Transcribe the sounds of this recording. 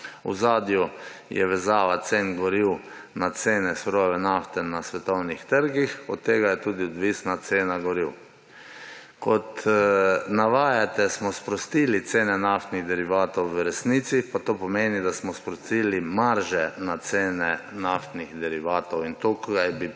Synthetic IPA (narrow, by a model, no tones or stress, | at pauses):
ṵzaːd̪jujɛ̰ʋɛzaːʋat̪seːnɡɔɾiw | nat̪seːnɛsɾoʋɛnaft̪ɛnasʋɛt̪ɔwnixt̪əɾɡixɔt̪ːeːɡajɛt̪uːd̪iɔd̪ʋisnat̪seːnaɡɔɾiw | kɔt̪ | naʋaːjat̪ɛsmɔspɾɔst̪ilit̪seːnɛnaft̪niɣd̪ɛɾiʋaːt̪owːɾɛsniːt̪sipat̪oːpɔmeːnid̪asmɔspɾɔst̪iːlimaɾʒɛnat̪seːnɛnaft̪niɣd̪ɛɾiʋaːt̪ɔwint̪okɡajbi